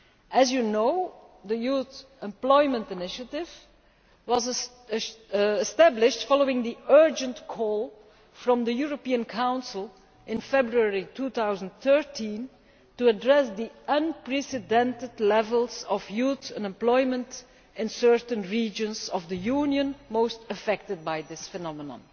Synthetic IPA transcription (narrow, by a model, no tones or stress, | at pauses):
ʔɨzjunoʊðəjuθ | ɛ̃mplɔɪmə̃ntɪnɪʃətɪv | wʌz | ɛstæblɪʃtfɑloʊɪ̃ŋd̪iɜ˞d͡ʒə̃ntkʰɔlˠ | fɹɔ̃md̪əjuɹopiə̃nkʰãʊ̃nsəlˠ | ʔɪ̃nfɛbɹuɛɹitʰuːt̪aʊzə̃n̩tθɜ˞tʰĩn | tuədɹɛsd̪iʌ̃npɹɛsɪdɛ̃ntɪdlɛvəlˠzɔvjutə̃nɛ̃mplɔɪmə̃nt | ɪ̃nsɜɹtə̃nɹiːd͡ʒə̃nzɔvd̪əjunjə̃nmoʊstəfɛk̚tɨd̚baɪðɪsfɛnɑmənə̰̃n